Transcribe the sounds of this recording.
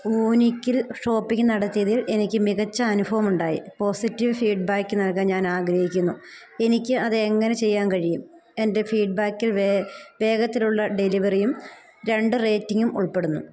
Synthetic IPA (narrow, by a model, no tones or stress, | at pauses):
uːnikʲːilʂo̞ːpːiŋʲːɨnɐɽɐt̪ːijɐðile̞nikʲːɨmiɣɐt͡ɕːɐːnubʱɐʋɐmuɳɖaːjḭpo̞ːsitːiʋɨfiːɖ̚baːkːɨnɐlkaːnɲaːnaːɡɾɐhikʲːunːu | e̞nikʲːɨʔɐðɨeŋːɐnet͡ɕe̞jːaːnkɐɻijum | e̞nde̞fiːɖ̚baːkːilʋe̞ːɡɐt̪ːiluɭːɐɖe̞liʋɐrijum | ɾe̞ɳɖɨre̞ːtːiŋɡumṵɭpe̞ɽunːṵ